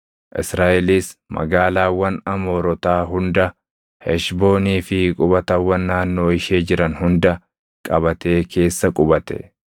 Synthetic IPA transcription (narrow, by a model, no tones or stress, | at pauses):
ʔɪsɾaːʔɛliːsmɐ̰ɡaːlaːwːɐnɐmo̞ːɾɔt̪aːɦʊnd̪ɐ | hɛʃbo̞ːniːfɪkʼʊbɐt̪ɐwːɐnːaːnːo̞ːɪʃeːd͡ʒɪɾɐnhʊnd̪ɐ | kʼɐbɐt̪e̞ːkʰe̞ːsːɐkʼʊbɐt̪ɛ̥̰